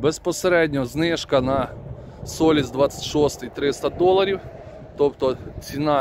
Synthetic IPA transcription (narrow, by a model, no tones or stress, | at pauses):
bespɔseɾɛdʲnʲɔznɪʃkɐnɐ | sɔlʲizd̪ʋat͡sʲsʲɪ̥tʲʃɔst̪ɪjt̪ɾɪst̪ɐd̪ɔlˠɐɾʲiw | t̪ɔpt̪ɔt͡sʲinɑ